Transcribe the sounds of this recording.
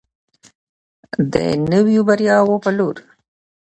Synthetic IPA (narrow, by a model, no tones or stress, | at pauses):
d̪ə̰nəwjobaɾjɑwopəloɾ